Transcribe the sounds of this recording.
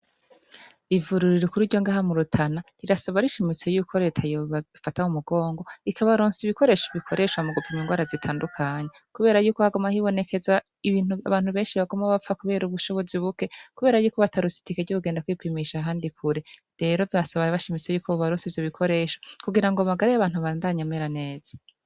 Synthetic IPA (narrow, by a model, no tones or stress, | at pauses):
ivuɾuɾiɾokuɾiɾɟoŋɡaːɦamuɾutʰanaɾiɾasaβaɾiʃimit͡se̞juːkʰo̞ɾe̞ːtʰajoβafatahumuɡ̥o̞ːŋɡo̞ikʰaβaɾoːnsiβiko̞ɾe̞ːʃoβikʰo̞ɾe̞ʃwamuɡopʰimiŋɡwaːɾazitʰaːndukʰaːɲekuβe̞ːɾajuːko̞haɡomahiβo̞ne̞ke̞za | iβiːnuaβaːn̥uβe̞ːnʃiβaɡomaβafakuβe̞ːɾuβuʃo̞βo̞ziβuke̞kuβe̞ːɾajuːkoβatʰaɾusi̥tikeɟokuɡeːndakwipimiʃaːɦaːndikʰuɾe | ɾe̞ɾo̞vjasaβaβaʃimit͡se̞juːkʰoβuβaɾoːnsivjoβikʰo̞ɾe̞ːʃokuɡiɾaŋɡoamaɡaɾajaβaːn̥uβaːndaɲameɾane̞ːz̥ḁ